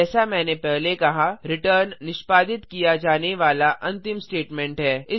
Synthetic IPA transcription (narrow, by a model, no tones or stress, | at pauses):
ɛːsamɛ̃ːnepɛɦlekɐɦaɾɪʈəɾnːɪʃpaːd̪ɪt̪kijad͡ʒaːneʋaːlaʔɐ̃nt̪ɪmsʈeːʈmɛ̃ːɳʈɦɛːɪ